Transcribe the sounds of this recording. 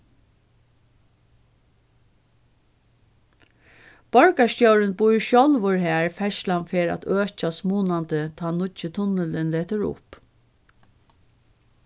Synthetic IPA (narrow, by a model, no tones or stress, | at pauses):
b̥ɔɹkast̪jœwɾɪnbujɹʃjɔlʋʊɹɦɛːɹfɛʃlanfeːɹa̰t̪øːt͡ʃasmuːnant̪ət̪ʰɑːnʊt͡ʃət̪ʰʊnəlɪnleːt̪əɹʊ̰p